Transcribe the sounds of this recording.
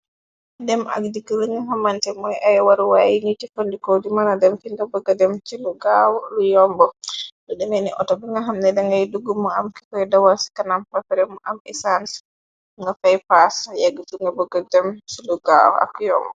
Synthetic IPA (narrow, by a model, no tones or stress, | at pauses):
dɛma̰ɡdikələŋɡaɦamantɛmɔjʔajɛwaɾwajiɲitifandikodimanadɛmkindabɔɡadɛmt͡ʃiluɡawɔlujɔmbɔdɔɗɛnɛniʔɔtɔbɛŋɡaɦamnɛdɛŋɡajduɡumɔamki̥kajdawasi̥kanampapɛɾɛmɔʔamɛsans | ŋɡafajpasjaɡituŋɡabɔɡadɛmsiluɡa̰wɔ̰a̰kːjɔ̰mbɔ